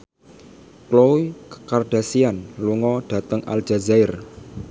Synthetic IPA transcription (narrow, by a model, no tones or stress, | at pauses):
kloukə̥karɖ̥a̤sianluŋɔɖ̥ä̤t̪əŋʔa̰l̥d͡ʒ̥a̤zaɪr